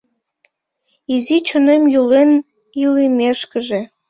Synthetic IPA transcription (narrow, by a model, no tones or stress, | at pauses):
izit͡ɕonemjulen | ilimeʃkəʒe